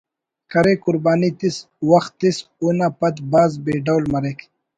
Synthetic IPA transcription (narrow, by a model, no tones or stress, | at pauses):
kʰɐɾekʊɾbaːnit̪is | wɐxt̪ːisunapɐt̪baːzbeːɖawlmɐɾekʰ